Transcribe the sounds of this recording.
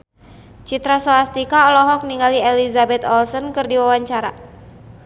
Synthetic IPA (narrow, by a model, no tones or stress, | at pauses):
t͡ʃit̪ɾasɔlast̪ikaɔlɔɦɔk̚niŋɡaliɛlizabɛt̪ɔlsɔnkɨrdiwawaɲt͡ʃaɾa